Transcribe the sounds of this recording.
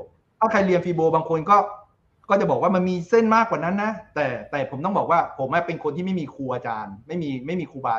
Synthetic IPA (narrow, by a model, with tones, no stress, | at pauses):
t̪ʰaː˥˩kʰa˧jli˧ənfiː˧boː˧baː˧ŋkʰo˧nkɔː˥˩ | kɔː˥˩t͡ɕa˨˩bɔː˨˩k̚waː˥m˧nmiː˧se˥˩nmaː˥˩kwaː˨˩na˦˥nːa˦˥t̪ɛː˨˩t̪ɛː˨˩pʰo˩˦mt̪ɔ˥˩ŋbɔː˨˩k̚waː˥˩pʰo˩˦mʔa˦˥˩pe˧nkʰo˧nt̪ʰiː˥˩ma˥˩miː˧kʰuː˧ʔaː˧t͡ɕaː˧nma˥˩jmiː˧ma˥˩jmiː˧kʰuː˧baː˧